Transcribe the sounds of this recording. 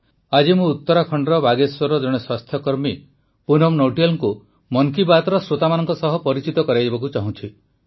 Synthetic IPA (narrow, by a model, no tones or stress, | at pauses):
ad͡ʒimũːt̪ːɔɾakʰɔɳɖɾɔbaɡeswɔɾɔd͡ʒɔɽ̃eswast̪ʰjɔkɔɾmi | punɔmnoʈijɔlŋku | mɔŋkibat̪ɾɔsɾot̪amanɔŋkɔsɔɦɔpɔɾit͡ʃit̪ɔkɔɾajd͡ʒibɔkut͡ʃaɦũt͡ʃʰi